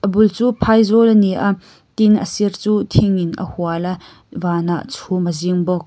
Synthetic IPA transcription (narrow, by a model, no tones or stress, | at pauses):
ʔəbult͡suːpʰajzɔlniʔa | t̪inə̰sirt͡suːt̪ʰiŋinʔə̰huala | vaːnaʔt͡sʰuməziŋbɔk̚